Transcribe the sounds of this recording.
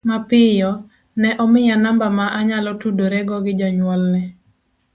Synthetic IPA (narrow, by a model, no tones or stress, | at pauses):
mapɪjɔ | nɛʔɔmɪjanambamaʔaɲalɔtudoɾɛɡɔɡɪd͡ʒaɲwalnɛ